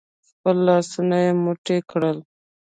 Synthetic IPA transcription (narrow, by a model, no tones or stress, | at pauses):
xpəlːɑsənajemoʈekɽəl